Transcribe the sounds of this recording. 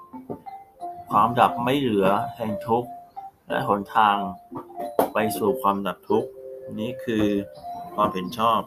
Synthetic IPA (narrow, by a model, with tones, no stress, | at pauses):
kʰwaː˧mda˨˩p̚ma˥˩jlɯ˩˦ɐtʰɛː˧ŋt̪ʰu˦˥k̚lɛ̰˦˥ɦo˩˦nt̪ʰaː˧ŋ | pa˧jsuː˨˩kʰwaː˧mda˨˩p̚t̪ʰu˦˥k̚niː˦˥kʰɯː˧kʰwaː˧mhe˨˩˦nt͡ɕʰɔː˥˩p̚